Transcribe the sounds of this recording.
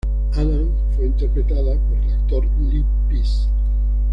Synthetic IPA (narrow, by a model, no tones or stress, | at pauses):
alan | fweint̪eɾpɾet̪aðapoɾelakt̪oɾ | li | pɾis